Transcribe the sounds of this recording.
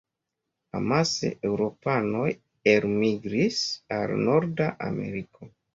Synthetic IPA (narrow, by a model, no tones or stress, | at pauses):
a̰masḛewɾo̞pano̞j | eɾmiɡɾisalno̞ɾdaʔa̰me̞̰ɾiko